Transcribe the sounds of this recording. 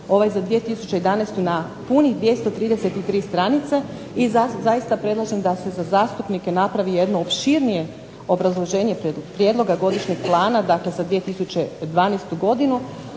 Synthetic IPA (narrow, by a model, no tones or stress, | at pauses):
o̞ʋajzad̪ʋije̞t̪isut͡ɕe̞jd̪anest̪una | punid̪ʋjest̪o̞t̪ɾiːd̪ese̞t̪it̪ɾiːst̪ɾanit̪se | izazaist̪apɾe̞d̪lˠaʒemd̪ase̞zazaːst̪upnike̞napɾaʋije̞d̪no̞opʃiɾnije̞ | o̞bɾazlˠo̞ʒe̞ːɲe̞pɾjed̪lˠo̞ɡaɡo̞d̪iʃɲe̞ɡ̥̚plˠaːnad̪akle̞zad̪ʋie̞t̪isut͡ɕe̞d̪ʋaːnest̪uɡo̞d̪inu